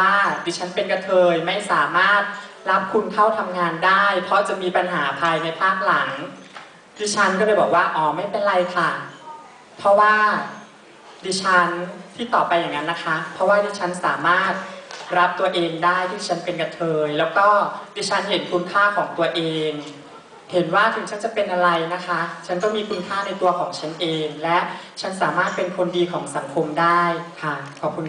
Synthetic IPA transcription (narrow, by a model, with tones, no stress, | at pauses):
aː˥˩diː˧˩t͡ɕʰa˦˥npe˧nka˧t̪ʰɤː˧jma˥˩jsaː˩˦maː˥˩t̪̚ | ɾa˦˥p̚kʰu˧nkʰa˥˩wt̪ʰa˧mŋaː˧ndaː˥˩jpʰɾɔ˦˥t͡ɕa˨˩miː˧pa˧nɦaː˩˦pʰaː˧jna˧jpʰaː˥˩k̚la˩˦ŋ | diː˧˩t͡ɕʰa˦˥nkɔː˥˩lɤː˧˩bɔː˨˩k̚waː˥˩ʔɔː˩ma˥˩jpe˧nɾa˧jkʰa˥˩ | pʰɾɔ˦˥waː˥˩ | diː˧˩t͡ɕʰa˦˥nt̪ʰiː˥˩t̪ɔː˨˩pːa˧jːa˨˩ŋːa˦˥nːa˦˥kʰa˦˥pʰɾɔ˦˥waː˥˩diː˧˩t͡ɕʰa˦˥nsaː˩˦maː˥˩t̪̚ɾa˦˥p̚t̪u˧ɐʔeː˧ŋdaː˥˩jt̪ʰiː˥˩˨t͡ɕʰa˦˥npe˧nka˧t̪ʰɤː˧jlɛː˦˥wkɔː˥˩diː˧˥t͡ɕʰa˦˥nɦe˩˦nkʰu˧nkʰaː˥˩kʰɔː˩˦ŋt̪u˧ɐʔeː˧ŋ | he˨˩˦nwaː˥˩t̪ʰɯ˨˩˦ŋt͡ɕʰa˦˥nt͡ɕa˨˩pe˧nʔa˧ɾa˧jna˦˥kʰa˦˥t͡ɕʰa˦˥nk̪ɔː˥˩miː˧kʰu˧nkʰaː˥˩na˧jt̪u˧ɐkʰɔː˩˦ŋt͡ɕʰa˦˥nʔeː˧ŋlɛ˦˥ʔt͡ɕʰa˦˥nsaː˩˦maː˥˩t̪̚pe˧nkʰo˧ndiː˧kʰɔː˩˦ŋsa˩˦ŋkʰo˧mdaː˥˩jkʰa˥˩kʰɔː˨˩p̚kʰu˧n